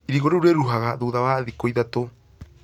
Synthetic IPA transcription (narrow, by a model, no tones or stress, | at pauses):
iɾiɣoɾeuɾeɾuɦaɣaðuːðaβaːðikojðato